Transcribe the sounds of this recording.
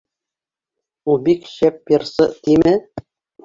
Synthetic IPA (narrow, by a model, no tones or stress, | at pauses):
ubikɕæp̚ːĕrsɤt̪imɘ